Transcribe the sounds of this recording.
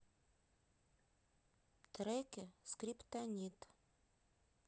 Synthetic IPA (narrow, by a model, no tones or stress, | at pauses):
t̪ɾekʲɪskrʲipt̪anʲit̪